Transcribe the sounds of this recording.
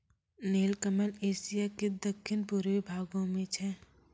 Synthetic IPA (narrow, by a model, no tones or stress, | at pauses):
neːlkəməleːsijaked̪əkʰːɪnpʊɾʋibʱaːɡõmẽt͡ʃʰɛ